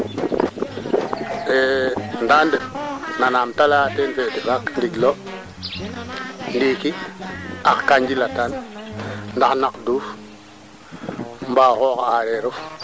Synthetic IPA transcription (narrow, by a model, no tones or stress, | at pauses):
endandenanamtalatenfetifakndiɡlo | ndiki | axkaɲd͡ʒilatan | ndaxnakduːf | mbaːxoːkaaɾeɾuf